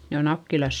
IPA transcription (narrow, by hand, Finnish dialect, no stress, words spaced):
ne o nɑkːilɑs